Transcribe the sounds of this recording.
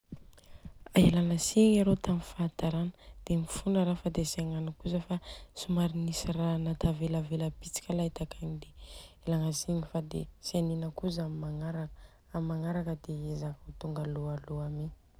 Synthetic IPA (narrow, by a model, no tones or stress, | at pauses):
aelanəsiɲaɾot̪amifaːt̪aɾanə̥d̪̥emifunəɾafad̪esaŋanəkuzəfasumaɾinisiranat̪ʰaveləveləpit͡si̥kʲalait̪akaɲid̪eelaŋəsiɲifad̪ḛsianinəkuzamimaŋaɾa | ammaŋaɾakəd̪eezakut̪uŋɡalualuame